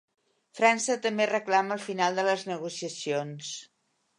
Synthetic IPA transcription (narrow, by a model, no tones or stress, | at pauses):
fɾansət̪əmberəklaməlˠfinalˠd̪ələznəɣ̞usiəsions